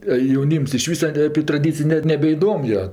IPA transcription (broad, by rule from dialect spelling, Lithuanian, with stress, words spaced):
ɐ jɛʊˈnʲiːms ɪʃ ˈʋʲiːsɐ ɐpʲɛ trɐˈdʲiːt͡sʲɪj nʲɛt nʲɛbʲɛɪˈdoːm joː